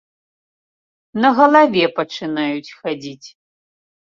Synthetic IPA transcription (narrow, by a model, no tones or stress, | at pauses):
nɐɣɐlˠavʲɛpɐt͡ʂɨnajut͡sʲxad͡zʲit͡sʲ